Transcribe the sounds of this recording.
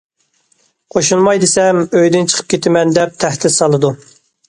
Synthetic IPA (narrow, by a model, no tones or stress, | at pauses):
qʰoʃunmɑjd̪ɨsɛmøjd̪ɪnt͡ʃʰə̥qʰə̥p̚kʲʰet̪ʰɪmɛnd̪ɛp̚t̪ʰæht̪ɪsɑlˠɨd̪u